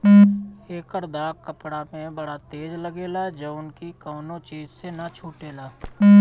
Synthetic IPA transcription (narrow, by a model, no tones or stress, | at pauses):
eːkəɾd̪aːkəpɽamẽbɐɽat̪eːd͡ʒləɡeːlad͡ʒɐbʊnkikɔːnõt͡ʃiːzsenat͡ʃʰuːʈeːlaː